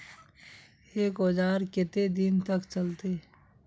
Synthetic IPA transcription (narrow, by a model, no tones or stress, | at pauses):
eːkoːd͡ʒaːɾkɪt̪ed̪ɪnt̪ɐkt͡ʃɐlt̪e